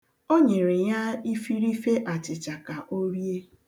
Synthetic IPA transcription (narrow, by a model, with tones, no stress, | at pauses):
o˦ɲe˨ɾɪ˨ja˦i˦fi˦ɾi˦fe˦ʔa˨t͡ʃɪ˨t͡ʃa˨ka˨ʔo˦ɾje˦